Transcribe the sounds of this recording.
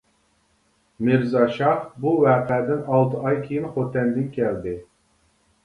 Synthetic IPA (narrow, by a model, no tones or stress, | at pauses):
mɨɾzɑʃɑχbuwæːqʰɛd̪ɪnɑlˠt̪ʰɨɑjkʲʰejɪnχot̪ɛnd̪ɪnkʲʰɛld̪ɪ